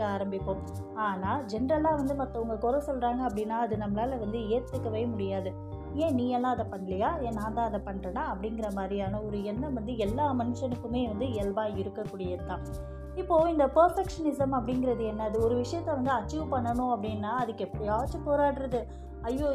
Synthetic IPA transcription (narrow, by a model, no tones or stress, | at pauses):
kːɯaːɾɐmbɪkːõm | aːnaːd͡ʒɛnɐɾɐlaːʋɐnd̪ɯmɐt̪ːɐʊŋɡɐkɔɾɐ̃sɔlraːŋɡɐːpːɐɽɪnːaːɐðɯnɐmːɐlaːlɐʋɐnd̪ɯeːɾt̪ːɯkːɐʋeːmʊɽɪjaːðɯ | ẽːniːɛlːãːɐðɐpɐɳːɐlɪjaːẽːnːãːnt̪ãːɐðɐpɐɳːɾɐnaɐpːɐɽɪŋɡɪɾɐmaːd̪ɾijaːnɐɔɾɯɛnːɐʋɐnd̪ɯɛlːaːmɐnɯʂɐnɯkːɯmeːʋɐnd̪ɯɛlbaːɪɾɯkːɐkːuːɽɪjɐðɯt̪ːãː | ɪpːoːɪnd̪ɐpɐɾfɛkʂɐnɪsɐmɐpːɐɽɪŋɡɪɾɐðɯɛnːɐðɯɔɾɯʋɪʂɐjɐt̪ːɛʋɐnd̪ɯɐt͡ʃːuːʋpɐɳːɐɳʊ̃ɐpːɐɽɪnːaːɐðɯkːɯɛpːɐɽɪjaːʋɐt͡ʃːɯpoːɾaːɽɾɐðɯ | ɐjːoː